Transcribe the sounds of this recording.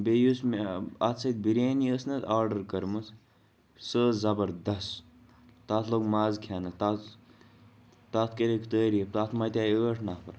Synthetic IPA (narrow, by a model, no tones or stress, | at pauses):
bejusmeɐt̪sʰɐt̪̚biɾeːniəsnɐt̪aːɾɖɐɾkɐɾmɐs | səːzɐbɐɾd̪ɐs | t̪at̪ʰloːɡmaːzkʰaːnɐt̪a | t̪at̪ʰkeɾekʰt̪əːɾiep̚t̪at̪ʰmajt̪ʲaːjəːʈʰnaːpʰɐ̰ɾ